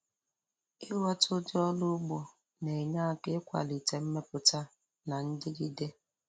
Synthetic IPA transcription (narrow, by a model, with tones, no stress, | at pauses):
ɪ˦wa˦tʊ˦dɪ˦ɔ˦lʊ˦ɡ͡bo˨ | ne˨ɲa˦a˨kɪ˦kʷa̰˨li˨te˨m̩˦me˦pʊ˨ta˦ | na˨n̩˦dɪ˦ɡi˦de˦